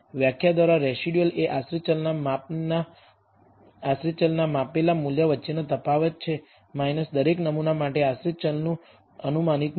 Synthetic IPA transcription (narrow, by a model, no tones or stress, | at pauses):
ʋjakʰjad̪ʋaɾaɾɛsiɖijəleʔasɾit͡ʃəlnamana | asɾit͡ʃəlnamapelamuljəʋətːt͡ʃinət̪əpaʋət̪̚t͡ʃʰe | majnəsd̪əɾeknəmunamaʈeasɾit͡ʃəlnũ | ənumanik̪